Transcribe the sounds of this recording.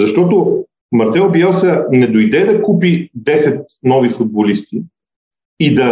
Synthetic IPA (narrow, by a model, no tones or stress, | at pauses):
zɐʃt̪ɔt̪ʊ | mɐɾsɛlˠbjalsənɛd̪ojd̪ɛd̪ɐkupid̪ɛsɛt̪̚ | nɔvifʊd̪̚bolist̪i | id̪ɐ